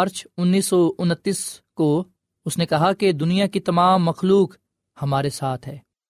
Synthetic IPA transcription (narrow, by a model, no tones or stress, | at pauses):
əɾt͡ʃʊnːiːsːɔʊnət̪ːiːsko | ʊsnekɐɦaked̪ʊnijakit̪ɐmaːmːɐxluːk | hɐmaːɾesaːt̪ʰɦɛː